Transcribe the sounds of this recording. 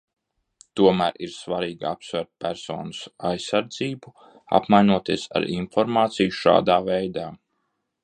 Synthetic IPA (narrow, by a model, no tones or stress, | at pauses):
t̪uɔmæːɾiɾsʋaɾiːɡapsvæɾt̪̚pʲæɾsɔ̰ːnusa̰jsaɾd̪ziːbu | a̰pmajnuɔt̪iɛsa̰ɾinfɔɾmaːt̪sijuʃa̰ːd̪aːvɛjd̪aː